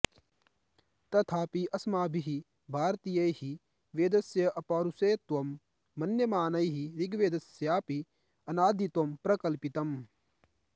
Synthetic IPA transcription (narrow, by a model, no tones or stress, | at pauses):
t̪ɐt̪ʰaːpiʔɐsmaːbʱiɦi | bʱaːɾt̪ijɐjhi | ʋeːd̪ɐsjɐʔɐpaːɾuseːt̪ʋɐmː | ɐnjɐmaːnɐjɦiɾiɡʋeːd̪ɐsjaːpi | ɐnaːd̪it̪ɐmpɾɐkɐlpit̪ɐm